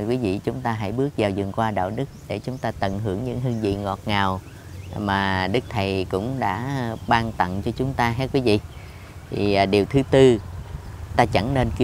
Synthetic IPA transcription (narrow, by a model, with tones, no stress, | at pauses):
jkwi˨˦vḭ˧˨t͡ɕʊ˨˦ŋ͡mt̪aː˧ɦa̰˧˥jɓɨ˦˥ək̚zaː˨˩wzɨ˨˩ŋkwaː˧ɗa̰ː˧˨wɗɨ˦˥k̚ɗe˧˩t͡ɕʊ˨˦ŋ͡mt̪aː˧t̪ə˧˩nɦɨ˧˩əŋɲɨ̰˧˥ŋɦɨ˧ŋzḭ˧˨ŋɔ˨˩t̚ŋaː˨˩w | maː˨˩ɗɨ˦˥k̚t̪ʰə˨˩jkʊ̰˧˥ŋ͡mɗa̰ː˧˥ɓaː˧ŋt̪ə̰˧˨ŋt͡ɕɔ˧t͡ɕʊ˨˦ŋ͡mt̪aː˧ɦɛ˦˥kwi˨˦vḭ˧˨ | t̪ʰi˨˩˨ɗi˨˩əwt̪ʰɨ˨˦t̪ɨ˧ | t̪aː˧t͡ɕa˧˩ŋne˧nki˧